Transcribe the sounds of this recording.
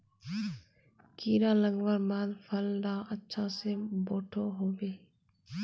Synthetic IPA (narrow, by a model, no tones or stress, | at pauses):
kiːɾãːləŋʋəɾmaːlpʰəld̪ãːʔətːʃʰãsẽboːʈʰoɦoːʋeː